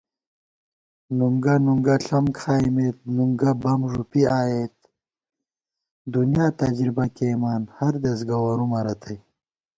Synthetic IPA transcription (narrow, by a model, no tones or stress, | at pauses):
nuŋɡanuŋɡɐɬɐmkʰaːimeːt̪̚nuŋɡabɐmʐupiaːjeːt̪̚ | d̪unijaːt̪ɐd͡ʑɾibɐkemaːnhɐɾd̪ɐs̬ɡɐwɐɾumɐɾɐt̪ʰɐj